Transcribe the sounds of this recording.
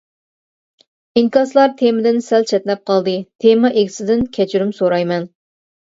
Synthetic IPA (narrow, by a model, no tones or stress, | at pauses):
iŋkɑslˠɑɾt̪ʰemɪd̪ɪnsɛlt͡ʃʰɛt̪lɛp̚qʰɑlˠd̪ɨt̪ʰemɑʔeɡʲʰɪ̥sɪd̪ɪnkʲʰɛt͡ʃʰyɾymsoɾɑjmɛn